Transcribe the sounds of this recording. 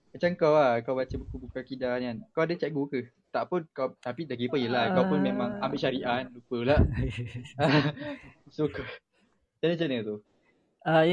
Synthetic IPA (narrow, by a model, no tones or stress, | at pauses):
mat͡ʃaŋkawakawbat͡ʃabukubukakidanankawadət͡ʃɛʔ̚ɡukə | t̪aʔpʊnkawt̪apidaɡipəjəlakawpʊnmemãŋambɪʔʃaɾiʔanlupəlaʔ | a | sokə | t͡ʃanət͡ʃanət̪u | a